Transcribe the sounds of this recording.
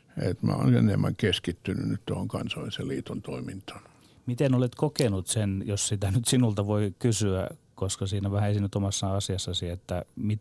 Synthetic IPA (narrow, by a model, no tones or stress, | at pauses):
et̪mæ̰o̰nenemːæŋkeskit̪ːynynnyt̪t̪uohoŋkɑnsoiseliːt̪ont̪oimint̪ɑ̥n | mit̪enolet̪kokenut̪senjossit̪ænyt̪sinult̪ɑʋoikysyæ̰koskɑsiːnæʋæhæesinyt̪omɑsːɑɑsiɑsːɑsiet̪ːæmi